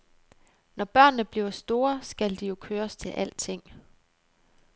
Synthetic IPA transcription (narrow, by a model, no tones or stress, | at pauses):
nɒb̥ɶɐ̰nːəb̥liʊɐsd̥o̝ːɐsɡ̥æld̥ijo̝kʰøːɐst͡sʰe̝lʔæl̰d̥t͡sʰe̝ŋ̰